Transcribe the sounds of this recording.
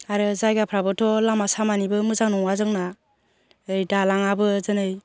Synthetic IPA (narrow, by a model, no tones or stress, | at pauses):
aɾɯzajɡapʰɾabɯtʰɔlamasamanibɯmɯzaŋnɔŋazɯŋna | ɯjdalaŋabɯzɯnɯj